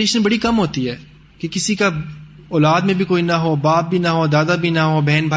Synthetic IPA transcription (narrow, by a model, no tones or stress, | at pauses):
eːʃənbɐɽikɐmɦoːt̪iɦɛː | kekɪsika | ɔːlaːd̪mẽbʱikoːinɐɦoːbaːp̚bʱinɐɦoːd̪aːd̪abʱinɐɦobʱɛːnbʱaː